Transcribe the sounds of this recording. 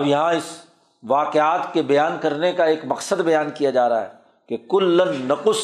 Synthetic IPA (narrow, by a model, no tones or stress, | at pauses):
ʋjɐɦãɪs | ʋaːqɪaːt̪kebɐjaːnkɐɾnekaeːkmɐqsəd̪bɐjaːnkijad͡ʒaːɾa̰ɦɛ̰ | kekʊlːənːɐqʊs